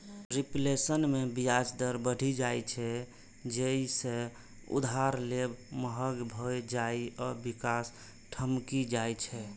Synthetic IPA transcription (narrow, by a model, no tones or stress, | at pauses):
ɾiplesənmebijad͡ʒd̪əɾbəɽ̤ʱid͡ʒajt͡ʃʰɛ | d͡ʒeisẽ | ṵd̪ʱaɾlebməɦəɡbʱojd͡ʒaiɔɾbikas | ʈʰəmkid͡ʒajt͡ʃʰɛ